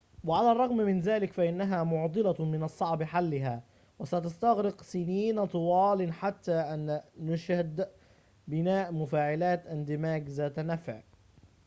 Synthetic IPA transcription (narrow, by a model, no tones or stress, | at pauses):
waʕalaːrˤːɑɣmmɪnðaːlɪkfaʔɪnːaɦaːmʊʕd̪ˤɨlamɪnɑsˤːɑʕbħalːɪɦaː | wasat̪ast̪aɣɾɪqsɪniːnt̪ˤʊwɑːlɪnħat̪ːaːʔanːʊʃhad̪ | bɪnaːʔmʊfaːʕɪlaːt̪ʔɪnd̪ɪmaːɡzaːt̪nafɪʕ